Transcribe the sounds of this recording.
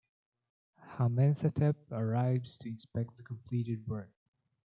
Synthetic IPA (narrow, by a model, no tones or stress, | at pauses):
hamɛ̃nsɛtʰɛp̚əɹaɪvz̥tʰɨɪ̃nspɛk̚t̪̚ðəkʰə̃mpʰl̥iɾɪd̚wɜ˞k